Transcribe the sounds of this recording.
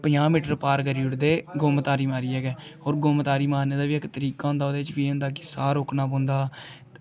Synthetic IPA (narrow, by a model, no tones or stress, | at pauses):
pəɲãːmiːʈəɾpaːɾkəɾiːʊɽd̪eːɡoːmt̪aːɾiːmaːɾiːɛːɡɛːoːɾɡoːmt̪aːɾiːmaːneːd̪aːʋiːəkt̪əɾiːkaːõːnd̪aːoːd̪eːɪt͡ʃʋiːʊnd̪aːkɪsaːɾoːknaːpõːnd̪aː